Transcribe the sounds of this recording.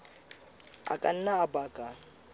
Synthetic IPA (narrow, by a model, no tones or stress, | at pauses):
a̰kʼan̩naːbaːkʼa